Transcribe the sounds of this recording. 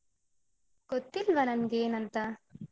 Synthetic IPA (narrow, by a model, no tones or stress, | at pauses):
kot̪ːilʋɐnɐnɡeːnɐnt̪ɐ